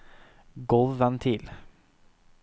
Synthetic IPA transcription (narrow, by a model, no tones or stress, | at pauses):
ɡɔlʋənt̪ʰɪl